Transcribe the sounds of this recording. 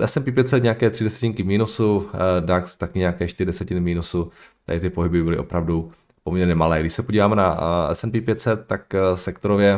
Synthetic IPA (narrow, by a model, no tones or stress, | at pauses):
ʔɛsɛnpiːpjɛt̪sɛt̪ɲɛakɛːt̪r̥ɪdɛsɛ̥cɪŋkɪvmiːnusudakst̪akɪɲɛakɛːʃt̪ɪɾɪdɛsɛcɪnmiːnusut̪adɪt̪ɪpo̞ɦɪbɪbɪlɪʔo̞̰pɾavdu | pomɲɛɾɲɛmalɛːɡdɪʃsɛpoɟiːvaːmɛnaɛ̰sɛmpiːpjɛt̪sɛt̪̚ːaksɛkt̪oɾovjɛ